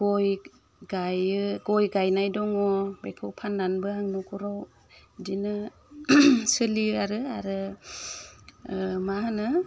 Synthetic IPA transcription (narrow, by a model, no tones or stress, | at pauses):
ɡɔj | ɡajɯɡɔjɡajnajdɔŋɔbekʰɯwpʰandanbɯaŋnɔkɔɾɔw | dinɯ | sɯliaɾɯaɾɯ | mahanɯ